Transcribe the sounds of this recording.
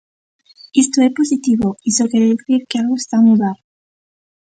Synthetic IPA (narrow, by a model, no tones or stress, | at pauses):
est̪oeposit̪iβoisokeɾeeθɾiɾkealɣoest̪amuðaɾ